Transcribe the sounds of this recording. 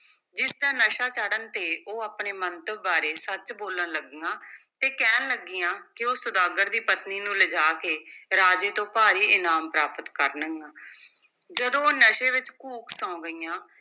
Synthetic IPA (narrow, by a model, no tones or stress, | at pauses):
d͡ʒɪsd̪aːnəʃaːt͡ʃaːɽənt̪eːʔoːaːpneːmənt̪əbaːɾeːsət͡ʃboːlənləɡɡãːt̪eːkɛːnləɡiːãːkɪoːsʊd̪aːɡəɾd̪iːpət̪niːnũːləd͡ʒaːkeːɾaːd͡ʒeːt̪õːpaːɾiːɪnaːmpɾaːpət̪kəɾnəŋɡãː | d͡ʒəd̪õːoːnəʃeːʋɪt͡ʃkuːksãːõɡəiːãː